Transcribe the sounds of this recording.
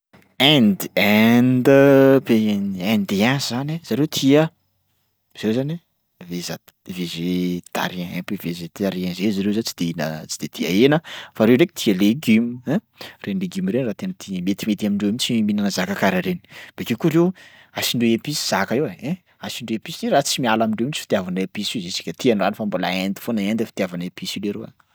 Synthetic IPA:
ɛnd̪iɛnd̪əbenɛ̃nd̪ianzzanez̥aɾewt̪ʰiə | z̥ewzani | veza | vezet̪a̰ɾiãɛpevezet̪aɾiãzezaɾewzant͡si̥d̪einə̰t͡si̥d̪̥ed̪̥ia̰enəfaɾewɖ͡ʐeke̥t̪ʰiəleɡymɛ̃ | renleɡimiɾenrat̪enət̪ʰimet̪imet̪amiɳɖ͡ʐewemit͡simiminanəzakakaɾaɾeni̥b̥ekekuɾew | asiɳɖ͡ʐeepisi̥z̥akaeweɛ̃ | asiɳɖ͡ʐeepisiderat͡simialamiɳɖ͡ʐeemit͡sifit̪iavanepisizesi̥kʲət̪iananifambolaend̪i̥fonaend̪efi̥t̪iavanaepisileɾea̰

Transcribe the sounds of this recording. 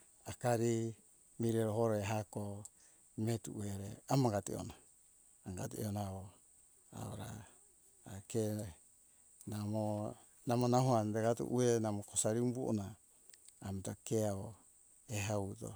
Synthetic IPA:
akaɾi | miɾeɾoɦoɾoeɦako | metuʔueɾeamaɡatḭo̰naː | ŋɡa̰tiḛonao | a̰o̰ɾa̰ː | ke | namo | namonahuandeɡatṵʔuenamokosaɾiumbuʔo̰naː | metakeao | eɦauto̰

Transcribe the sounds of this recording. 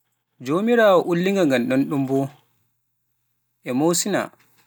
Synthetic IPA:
d͡ʒoːmiɾaːwɔʔulːiŋɡaŋɡanɗɔnɗumbɔ | ʔɛmowsina̰

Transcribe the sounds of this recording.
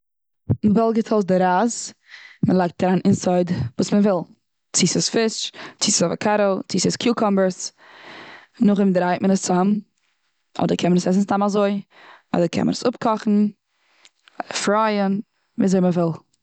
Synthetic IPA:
nbɛlˠɡətʰɔlˠtdɪɾaːz | məlˠaɪk̚taɾanɪnsaɪdvuːsməvɪlˠ | t͡siːsəsfɪʃt͡siːsəsɔva̰kʰaɾoʊt͡siːsəskʰjuːkʰɔmbəɾs | nʊχɪmdɾaɪtmənəst͡sam | ɔ̰dəɾkʰɛnmənəsɛs̬n̩stamazoɪ | ɔ̰dəɾkʰɛ̰nmə̰nəsʊpkʰɔχn̩ | fɾaɪən | viːzɛɪməvɪlˠ

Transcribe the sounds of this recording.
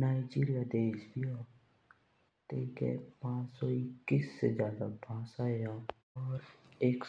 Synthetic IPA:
naːɪd͡ʒiːɾijad̪eːʃbʱia | t̪eːkɛ̰pãːt͡ʃsɔɪkːiːsːezjaːd̪abʱãːsaːeja | ɔːɾeːk

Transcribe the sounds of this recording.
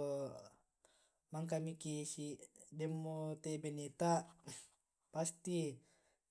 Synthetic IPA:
o | maŋk̬amikisidɛmːot̪ebenet̪a | past̪i

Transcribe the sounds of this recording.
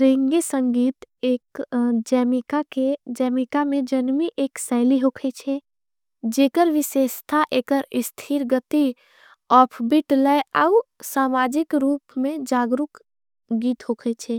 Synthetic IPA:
ɾẽŋɡesə̃ŋɡiːt̪eːkd͡ʒɛːmɪkaked͡ʒɛːmɪkamẽd͡ʒənmiʔeːksɛːliɦoːkʰet͡ʃʰe | d͡ʒeːkəɾʋɪʃeːʃt̪ʰaʔeːkəɾɪst̪ʰiɾɡət̪i | ɔːpʰbɪʈləjəusaːmaːd͡ʒɪkɾuːpmẽd͡ʒaːɡɾʊk | ɡiːt̪ɦoːkʰet͡ʃʰe

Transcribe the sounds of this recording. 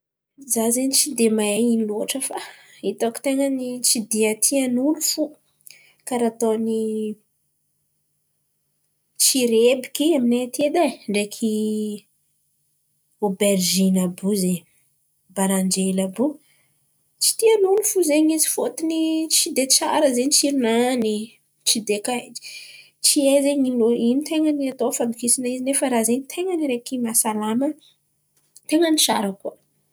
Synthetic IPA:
zazent͡sid̪emajainiluaʈ͡ʂəfa | it̪oki̥t̪eŋənit͡sid̪iat̪ʰianunufu | kaɾat̪oni | t͡ʃiɾebi̥kiaminet̪ed̪aɳɖ͡ʐekʰi | oberʒinabuzeɲ | baɾand͡ʒelabu | t͡si̥t̪ialunifuzeɲizi̥fot̪init͡ʃid̪et͡sa̰ɾəzeɲit͡ʃiɾunani | t͡ʃid̪ekai̥ | t͡siezeɲiloinit̪eŋəniat̪ofand̪ukisinaizinefəɾazeɲit̪ʰeŋəniɾekimasalamə | t̪eŋənit͡ʃa̰ɾəku

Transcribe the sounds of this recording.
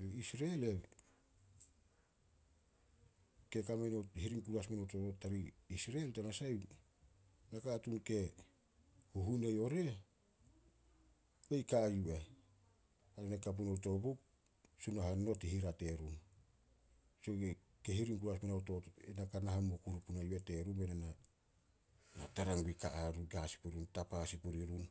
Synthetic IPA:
isɾele | ke̞kamenohiɾiŋkuɾasmenowtootaɾiisɾeeltanasaj | nakatunke̞ | huɦunejo̞ɾe̞ | bejkajue | aɾanekap̬unowto̞bop̚ | sunaɦano̞tihiɾate̞ɾun | soe | kehiɾiŋkuɾaspanaotoenakanaɦamokuɾupunajuate̞ɾumbenana | nataɾaŋɡika̰ʔaɾuɡasi̥puɾiɾuntapasipuɾiɾun

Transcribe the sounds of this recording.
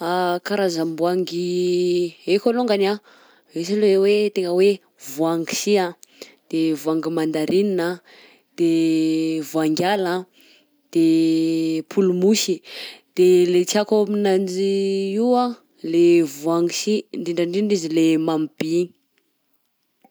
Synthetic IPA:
akaɾazambuaŋɡi | ekʲaloŋɡana | esilewet̪eŋəwe | vuaŋɡi̥siad̪̥evuaŋɡimand̪aɾinina | d̪̥e | vuaŋɡʲala | d̪̥e | pʰulumusid̪̥elet͡siakominand͡ʒiiwa | levuaŋɡisiɳdiɳɖ͡ʐaɳɖ͡ʐinɖ͡ʐizilemamib̥i

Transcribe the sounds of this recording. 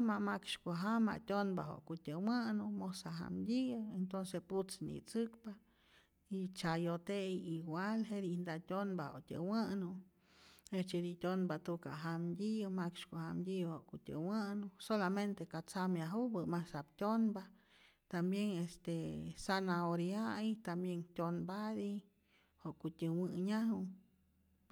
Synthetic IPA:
mamakʃkoɦama̰ʔtʲonbaɦo̰ʔkutʲəwanumosaɦa̰mdʲiɨent̪onsesput͡snḭt͡sɨkpa | it͡ʃajot̪ejiɡʷalɦed̪ind̪atʲonbaho̰ʔtʲə̰wanu | et͡ʃed̪itʲonbat̪uka̰ɦamdʲiumakt͡ʃkohamd̪ʲihoʔkutʲə̰wanusolament̪ekat͡samjaɦubɨmasapt̪ʲonba | t̪ambjeŋest̪esanaoɾjajt̪ambjeŋtʲonbad̪i | hoʔkutʲəwɨɲaɦu

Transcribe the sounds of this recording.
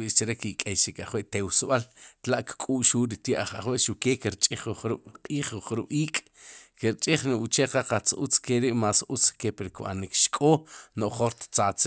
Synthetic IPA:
ist͡ʃiɾekikʼejʃikaχweʔt̪ewsɓalt̪laʔkkʼuːʔʃuːɾit̪jeʔaχa̰χweʔʃukeːkiɾt͡ʃʼiχuχɾuʔqʼiːχuχɾuɓ̥iːkʼ | kiɾt͡ʃʼiχnuʔut͡ʃeqaqat͡sut͡skeɾiʔmaːsʔut͡skepiɾkɓa̰nikʃkʼoːnoʔχoɾt̪t͡sat͡s

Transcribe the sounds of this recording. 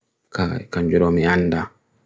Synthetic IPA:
kakaɲd͡ʒɔɗɔmianda

